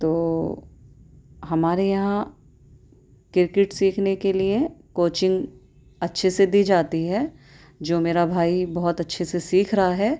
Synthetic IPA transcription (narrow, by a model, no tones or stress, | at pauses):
t̪oː | ɦɐmaːɾejɐɦã | kɪɾkɪʈsiːkʰnekeliekoːt͡ʃɪ̃ŋɡ | ɐtːʃʰesed̪iːd͡ʒaːt̪iɦɛː | d͡ʒoːmeːɾabʱaːibɐɦʊt̪ɐtːʃʰesesiːkʰɾɐɦaɦɛː